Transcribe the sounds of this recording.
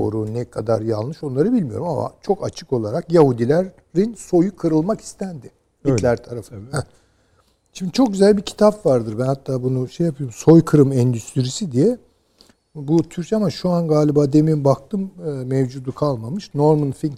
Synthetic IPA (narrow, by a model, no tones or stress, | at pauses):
o̰ɾunɛkʰad̪a̰ɾja̰lˠnɯʃo̞nlˠaɾɯbilʲmijo̞̰ɾumama̰t͡ʃʰo̞kat͡ʃʰɯ̥ko̞lˠaɾakjahud̪ilʲæɾː | inso̞jukʰɯɾɯlˠmaki̥st̪ʰænd̪ɪ | bilʲæɾt̪ʰaɾafɯnɛ | ʃimd̪it͡ʃʰo̞k̚ɟyzælʲbicʰi̥t̪ʰapvaɾd̪ɯɾbænhat̪ʰːaːbunuʃejapʰɯjoumso̞jkʰɯɾɯmɛnd̪yst̪ʰiɾisid̪ijɛ | but̪ʰyɾcamaʃuanɡaːlʲibaːd̪e̞mimbak̚t̪ʰɯmːmevd͡ʒuːd̪ukʰalˠmamɯʃno̞ɾmɯnfink